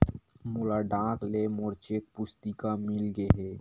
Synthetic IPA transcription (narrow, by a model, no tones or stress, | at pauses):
mʊlaɖãːklemoɾt͡ʃek̚pʊst̪ikamɪlɡeɦe